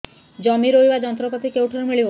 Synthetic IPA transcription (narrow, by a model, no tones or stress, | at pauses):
d͡ʒɔmiɾoibad͡ʒɔnt̪ɾɔpɔt̪ikewʈɔnmiɭio